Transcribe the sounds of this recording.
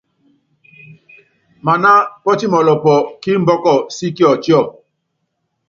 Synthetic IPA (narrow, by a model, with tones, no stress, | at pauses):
ma˨na˦pɔ˦t͡ʃi˦mɔ˨lɔ˨pɔ˨ki˦m̩˦bɔ˦kɔ˨si˦ki˦ɔ˨t͡ʃjɔ˦˨